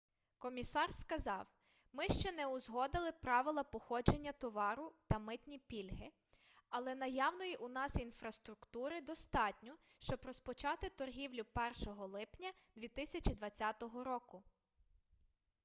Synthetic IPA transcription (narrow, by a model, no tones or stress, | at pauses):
kɔmʲisɑrskɐzɑw | mɪʃt͡ʃɛnɛʊzɦɔd̪ɪlˠɪpɾɑʋɪlˠɐpɔxɔd͡ʒenʲːɐt̪ɔʋɑɾʊt̪ɐmɪt̪nʲipʲilʲɦɪ | ɐlˠɛnɐjɑwnɔjiʔunɑsinfɾɐst̪ɾʊkt̪uɾɪd̪ɔst̪ɑtʲnʲɔʃt͡ʃɔbrɔspɔt͡ʃɑt̪ɪt̪ɔrɦʲiwlʲʊpɛrʃɔɦɔlˠɪpnʲɐd̪ʋʲit̪ɪsʲɐt͡ʃid̪ʋɐt͡sʲːat̪ɔɦɔɾɔkʊ